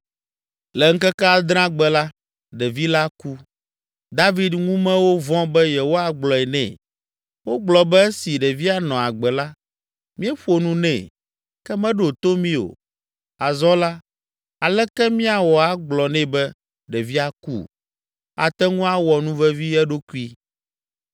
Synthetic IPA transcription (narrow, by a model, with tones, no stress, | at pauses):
lɛ˨ŋ̩˦kɛ˦kɛ˦a˨d̪ɾã˦ɡ͡bɛ˨la˦ | ɖɛ˨vi˦la˦ku˦ | d̪a˦vi˦d̪ŋũ˦mɛ̃˦wo˦vɔ̃˦bɛ˦jɛ˨wo˦a˦ɡ͡blɔ˨ɛ˨nɛ̰̃˨ | wo˦ɡ͡blɔ˨bɛ˦ɛ˦si˨ɖɛ˨vi˦a˨nɔ̃˨a˨ɡ͡bɛ˨la˦ | mĩ˦ɛ˦ɸo˨nũ˦nɛ̰̃˨ | kɛ˦mɛ̃˦ɖo˨t̪o˦mĩ˦o̰˨ | a˨zɔ˦la˦ | a˨lɛ˦kɛ˦mĩ˦a˨wɔ˨a˦ɡ͡blɔ˨nɛ̃˦˨bɛ˦ | ɖɛ˨vi˦a˦kṵ˦ | a̰˨t̪ɛ˦ŋũ˦a˦wɔ˨nũ˦vɛ˦vi˦ɛ˦ɖo˦ku˦i˦